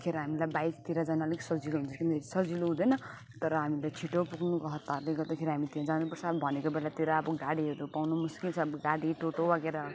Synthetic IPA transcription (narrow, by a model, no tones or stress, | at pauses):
kʰeɾiɦamilajbajst̪iɾad͡zʌnaleksʌd͡ziloɦunt͡sʰʌkind̪esʌd͡ziloɦũd̪ʌnʌ | t̪ʌɾʌɦamilajt͡sʰiʈopuɡnukʌɦʌt̪ːarleɡʌd̪ekʰeɾiɦamit̪ijãd͡zanupʌrt͡sʰʌbʱʌnekobelat̪iɾaːbʌɡaɽiɦʌɾupawnumuskilt͡sʰʌːbɡaɽiʈoʈobaɡeɾʌ